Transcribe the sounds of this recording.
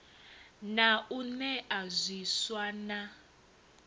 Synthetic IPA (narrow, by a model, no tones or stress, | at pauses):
naunɛʔazwiswana